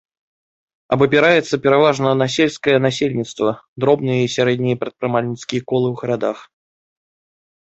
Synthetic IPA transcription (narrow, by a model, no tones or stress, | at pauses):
ɐbɐpʲɛɾajɛt̪sːɐpʲɛɾavaʐnɐnɐs̬ʲelʲskəjɛnasʲelʲnʲit̪st̪vɐd̪ɾɔbnɨjɐisʲaɾɛd̪ʲnʲijɐpɾɐt̪̚pɾɨmalʲnʲit̪skʲijɐkɔlˠɨwɣɐɾad̪ax